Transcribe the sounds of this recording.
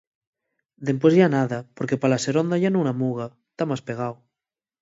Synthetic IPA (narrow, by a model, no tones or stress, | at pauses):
d̪empwezʝanaðapoɾkepalaseɾond̪aʝanounamuɣ̞at̪amaspeɣ̞aw